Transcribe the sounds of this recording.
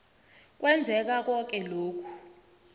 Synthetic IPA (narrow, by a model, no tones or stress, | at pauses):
k̬ʼwʔɛnd͡zʱɛk̬ak̬ʼɔk̬ʼɛloːk̬ʰu̥